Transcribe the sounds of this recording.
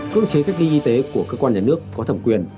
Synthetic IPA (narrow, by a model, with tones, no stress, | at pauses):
kə̰˧ət͡ɕe˨˦ka˦˥k̚li˧ʔi˧t̪e˨˦ku˧˩əkəː˧kwaː˧nɲaː˧nɨ˦˥əkːɔ˨˦t̪ʰə˧˩mkwi˧˩ən